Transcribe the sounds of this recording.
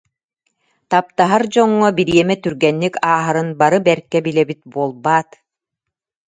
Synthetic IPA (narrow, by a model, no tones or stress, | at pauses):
t̪ap̚t̪aɦaɾd͡ʑɔŋːɔbiɾiɛmɛt̪yɾɡɛnːikaːɦaɾɯnbaɾɯbɛɾkɛbilɛbit̪̚buɔlˠbaːt̪